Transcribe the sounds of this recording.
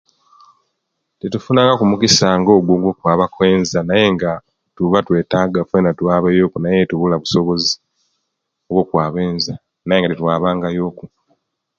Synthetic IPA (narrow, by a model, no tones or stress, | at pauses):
tetufunaːŋɡakumukisaːŋɡo̞ːɡwoŋɡwoːkwaːβakwe̞ːnzanaje̞ŋɡa | tuβatwe̞ːtaːɡafe̞natwaːβajo̞ːkunajetuβulaβuso̞βo̞zi | oβwoːkwaːβeːnza | najeŋɡatetwaːβaːŋɡajo̞ːku